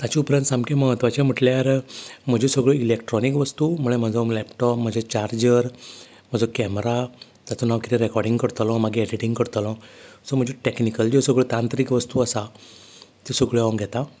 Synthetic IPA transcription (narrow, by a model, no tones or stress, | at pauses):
t̪jat͡ɕiupɾənsamkeməɦət̪ʋat͡ɕem̤əʈljaɾm̤əd͡ʑesəɡɭəilekʈɾɔnikʋəst̪umuɭem̤əd͡zɔlɛpʈɔpm̤əd͡ʑʱet͡ɕaɾd͡ʑəɾ | m̤əd͡zɔkɛmɾa | t̪at͡sonaʋkiɾiɾɛkɔɾɖiŋɡkəɾt̪alɔ̃maɡiɛɖiʈĩŋɡkəɾt̪alɔ̃səm̤əd͡ʑeʈeknikəld͡ʑɔsəɡɭət̪ant̪ɾiːkʋəst̪uəsa | t̪isəɡɭəaŋɡʱɛt̪ã